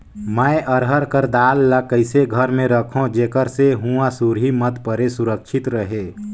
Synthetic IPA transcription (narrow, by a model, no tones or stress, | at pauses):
məeʔəɾɦəɾkəɾd̪aːlːakəɪseɡʱəɾmẽɾəkʰõd͡ʒeːkəɾseɦuãsuɾɦimət̪pəɾesʊɾəkʃʰɪt̪ɾəɦeː